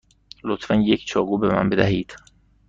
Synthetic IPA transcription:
lot̪ʰfænjecʰt͡ʃʰɒːɣuːbemæ̰nbe̞d̪æɦiːd̪̥

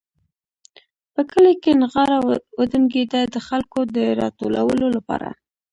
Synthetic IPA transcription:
pəkəlekenɣɑɾawəd̪əmɡed̪ad̪əxalkod̪əɾɑt̪olawəlolapɑ̰ɾa̰

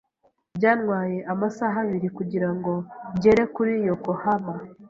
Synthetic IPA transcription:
bɟaːnŋwaːje̞ʔamasaɦaβiɾikuɟiɾaŋɡo̞ɟe̞ɾe̞kuɾijoko̞hama

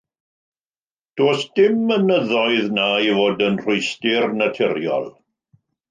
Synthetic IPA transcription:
d̥oːsd̥ɪmːənəðɔɨðnajvoːdənr̥ʊɨstɪrnatʰɛɾjɔ̰lˠ

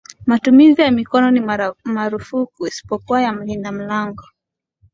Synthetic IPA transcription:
matumizijamikɔnɔnimaɾufukuisi̥pɔkuwajam̩lindam̩laŋɡɔ

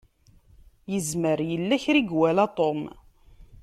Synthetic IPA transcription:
jəzməɾjəlːæçɾiɡwælat̪ˤom

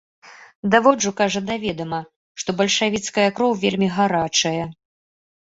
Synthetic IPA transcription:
d̪avɔd͡ʐukaʐɐd̪avʲɛd̪ɐmɐ | ʂt̪ɔbɐlʲʂavʲit̪skɐjɐkɾɔwvʲelʲmʲiɣaɾat͡ʂɐjɐ

